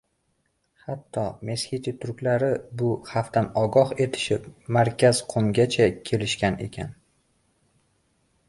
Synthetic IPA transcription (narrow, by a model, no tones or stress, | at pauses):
hat̪ʰːɒme̞shʲit̪ʰɪt̪ʰʊɾkʲlaɾɪbʊhaft̪anɒɡɒhe̞t̪ʰɪ̥ʃɪpmaɾkʲaz̥qʰomɡʲat͡ʃʰakʲʰe̞lɪʃkʲane̞̰kʲʰa̰n